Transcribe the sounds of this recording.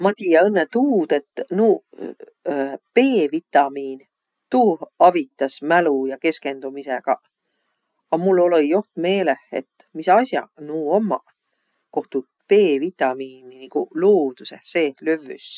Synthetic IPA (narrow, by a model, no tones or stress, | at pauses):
mɑt̪iːjeɤnːet̪uːd̪̥e̞t̪ːnuː | pe̞ːvit̪ˑɑmiːn | t̪uːhɑvit̪ːˑɑsmælujɑke̞ske̞nd̪̥umiseɡ̥ɑ̰ | ɑmulːo̞lo̞jjo̞ht̪me̞ːle̞hḛt̪ː | misɑsʲjɑ̰nuːo̞mːɑ | ko̞ht̪u | pe̞ːvit̪ːˑɑmiːniniɡ̥uloːd̪̥usehse̞ːløvy̰s